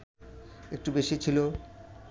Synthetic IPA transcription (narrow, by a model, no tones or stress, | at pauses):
ek̚ʈubeʃit͡ɕʰilo